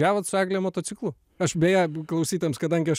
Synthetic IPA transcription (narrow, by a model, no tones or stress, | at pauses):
æːʋot̪sʊɑːɡlʲejmoːt̪oːtt͡s̪ʲɪklˠʊ | ɐʃbʲeːjæklˠɐʊsʲiːt̪ʲɐɛmskɐd̪ɐŋʲɡʲɪɐʃ